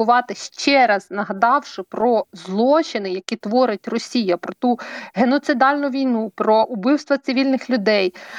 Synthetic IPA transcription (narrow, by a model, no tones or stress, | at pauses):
ʊʋɑt̪ɪʃt͡ʃɛɾɐznɐɦɐd̪ɑwʃɪpɾɔzlˠɔt͡ʃɪnɪjɐkʲit̪ʋɔɾɪtʲrɔsʲijɐpɾɔt̪uɦenɔt̪sɪd̪ɑlʲnʊʋʲijnupɾɔʔʊbɪwst̪ʋɐt̪sɪʋʲilʲnɪxlʲʊd̪ɛj